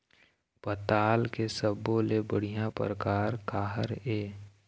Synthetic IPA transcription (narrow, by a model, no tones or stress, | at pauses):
pət̪aːlkesəboːlebəɽ̤ijãpə̰ɾəkaːɾkaːɦəɾeː